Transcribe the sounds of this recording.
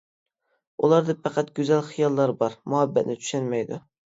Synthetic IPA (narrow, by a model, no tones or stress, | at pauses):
ulˠɑɾd̪ɨpæqʰɑt̪̚ɡ̥ʲøzælχɨjɑlˠːɑɾbɑɾmʊhæbːæt̪nɪt̪ʰy̥ʃænmɛjd̪ʊ